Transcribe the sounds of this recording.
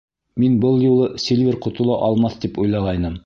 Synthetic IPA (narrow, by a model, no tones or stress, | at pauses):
minbɤlˠjulˠɤsʲelʲvʲeɾqŏt̪ŭlˠɑʔɑlˠmɑθt̪ipujlˠɑʁɑjnɤm